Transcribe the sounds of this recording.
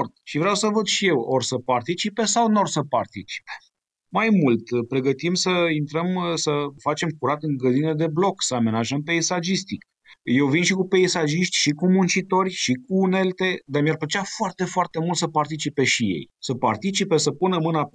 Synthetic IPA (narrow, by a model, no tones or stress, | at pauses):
rt̪ʃivɾeawsəvəd̪ʃije̞worsəpart̪it͡ʃipe̞sawnorsəpart̪it͡ʃi̥pe̥ | majmult̪pɾe̞ɡət̪imsəint̪ɾəmsəfat͡ʃe̞mkuɾat̪ɨŋɡɾəd̪ined̪e̞blo̞ksəame̞naʒəmpe̞isad͡ʒist̪ik | je̞wvinʃikupe̞isaʒiʃt̪ʲʃikumunt͡ʃit̪o̞rʲʃik̚uːne̞lt̪e̞d̪amiarplət͡ʃafoart̪e̞foart̪e̞mult̪səpart̪it͡ʃipe̞ʃije̞̰jsəpart̪it͡ʃipesəpunəmːɨna